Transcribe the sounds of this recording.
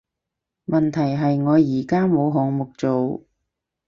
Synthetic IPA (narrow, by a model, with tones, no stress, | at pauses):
mɐ˨nt̪ʰɐ˨˩jɦɐ˨jŋɔː˨˧jiː˨˩kaː˥mo˨˧wɦʊ˨˥ŋmʊ˨˩k̚t͡so˨w